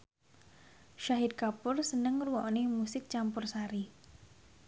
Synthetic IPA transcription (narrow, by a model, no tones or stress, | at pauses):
ʃaɦɪt̪̚kapʊrsənəŋruwɔʔnemusɪk̚t͡ʃampʊrsaɾi